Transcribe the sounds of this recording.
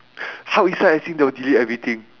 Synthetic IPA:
hawisaasĩŋdɛwədiliɛvɹit̪ĩŋ

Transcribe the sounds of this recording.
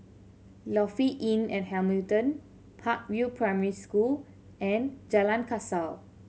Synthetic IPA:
lɔfiʔĩnɛ̃nhɛlmiltə̃n | pʰak̚wilpʰɹajmɛɹiskul | ʔɛ̃nd͡ʒalãnkʰasal

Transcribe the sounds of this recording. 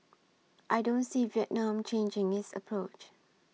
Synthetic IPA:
ʔajdõnsiviɛʔnãmt͡ʃẽnd͡ʒɪ̃ŋɪsə̰pʰɹot͡ʃ

